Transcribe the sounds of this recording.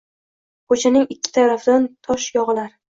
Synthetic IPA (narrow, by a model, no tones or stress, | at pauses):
kʰot͡ʃʰanɪŋɪkʲːɪ̥t̪ʰaɾafd̪ant̪ʰɒʃjɒʁɨlaɾ